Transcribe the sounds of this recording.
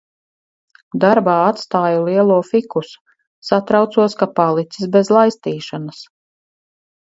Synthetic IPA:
d̪aɾbaːat̪st̪aːjulˠiɛlˠuɔfikusu̥ | sat̪ɾawt̪suɔskapalˠit̪sisbezlˠajst̪iːʃanas

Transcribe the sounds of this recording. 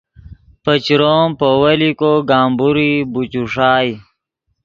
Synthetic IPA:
pət͡ɕɾoːmpowɐlikoɡaːmbuɾibut͡ɕuʂaːj

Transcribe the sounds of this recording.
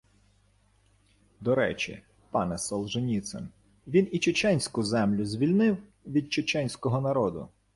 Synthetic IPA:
d̪ɔɾɛ̰t͡ʃʲḭ | pɑnɛsɔlˠʒenʲit̪sɛ̰n | ʋʲinit͡ʃet͡ʃɛnʲsʲkʊzɛmlʲʊzʲʋʲilʲnɪw | ʋʲid̪̚t͡ʃet͡ʃɛnʲsʲkɔɦɔnɐɾɔd̪ʊ̰

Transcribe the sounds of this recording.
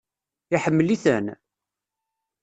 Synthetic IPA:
iħəmːəliθən

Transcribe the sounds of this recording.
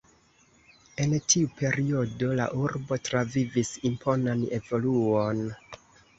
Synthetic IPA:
e̞ntʰiupʰe̞ɾio̞do̞la̰ʔuɾbo̞tɾavivisimpʰo̞nane̞̰vo̞luon

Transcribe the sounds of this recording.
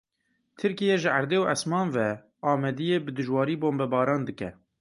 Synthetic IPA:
t̪ʰɨɾkijɛʒɨʔæɾd̪eːwʔæsmɑːnvɛ | ɑːmɛd̪ijeːbɨd̪ɨʒwɑːɾiːboːmbɛbɑːɾɑːnd̪ɨkɛ̰

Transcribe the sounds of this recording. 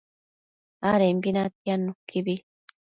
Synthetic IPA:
aɾembinat̪ianukːibi

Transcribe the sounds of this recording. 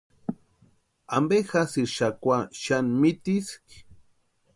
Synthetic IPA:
ambexasiʃakʷaʃanmit̪isk

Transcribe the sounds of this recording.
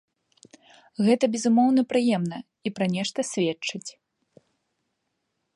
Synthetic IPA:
ɣɛt̪ɐbʲɛzumɔwn̪ɐpɾɨjɛmn̪ɐ | ipɾɐnʲɛʂt̪ɐsʲvʲɛt͡ʂt͡ʂːɨt͡sʲ

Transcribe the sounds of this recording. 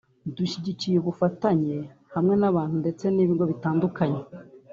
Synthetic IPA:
duʃiɟicijeβufataɲe̞ | hamŋe̞naβaːn̥hunde̞t͡se̞niːβiːŋɡo̞βitaːndukaɲe

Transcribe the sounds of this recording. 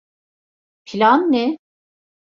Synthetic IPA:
pʰilʲanːɛ | p

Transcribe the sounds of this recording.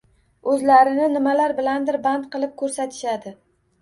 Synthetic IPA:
ɵzlaɾɪnɪnɪmalaɾbɪland̪ɪɾbant̪qɨlˠɪp̚kʰɵɾsat̪ʰɪ̥ʃad̪ɪ

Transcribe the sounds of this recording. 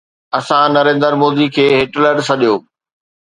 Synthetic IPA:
ɐsãnɐɾẽːnd̪əɾmoːd̪ikʰeːɦɪʈləɖsɐɗijoː

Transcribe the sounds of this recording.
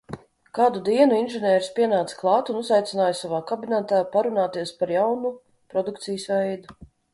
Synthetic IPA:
kaːd̪ud̪iɛnuinʒɛnʲɛːɾspʲiɛnaːt̪sklˠɑːt̪unuzajt̪sɪnaːjsavaːkabinɛt̪aːpaɾunaːt̪iɛspaɾjawnu | pɾɔd̪ukt̪sijəsvɛjd̪u

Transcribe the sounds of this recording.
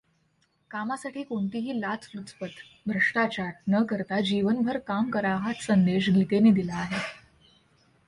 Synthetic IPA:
kamasaʈʰiːkoɳt̪iɦiːlat͡slut͡spət̪ | bʱɾəʂʈat͡ɕaɾnəkəɾt̪ad͡ʑiʋənbʱəɾkamkəɾaɦat̪sənd̪eɕ̬ɡʱit̪eniːd̪ilaːɦe

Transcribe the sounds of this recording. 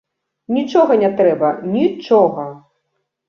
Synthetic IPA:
nʲit͡ʂɔɣɐnʲɛt̪ɾɛbɐnʲit͡ʂɔɣɐ

